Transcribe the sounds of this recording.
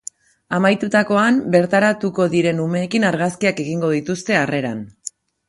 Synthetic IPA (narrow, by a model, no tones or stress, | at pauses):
amajt̪ut̪ako̞ambe̞ɾt̪aɾat̪uko̞ðiɾe̞nume̞ːkinaɾɣaskiake̞ɣiŋɡo̞ðit̪ust̪e̞are̞ɾan